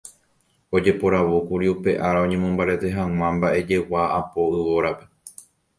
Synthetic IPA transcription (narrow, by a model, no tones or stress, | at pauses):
o̞d͡ʒe̞po̞ɾaʋokuɾiupe̞ʔaɾaõ̞ɲẽ̞mõmbaɾe̞t̪e̞ɦãw̃ãmbaʔe̞d͡ʒe̞waːpo̞ɨʋo̞ɾape̞